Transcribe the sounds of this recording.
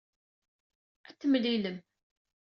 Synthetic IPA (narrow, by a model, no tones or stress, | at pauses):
æt̪ːəmliləm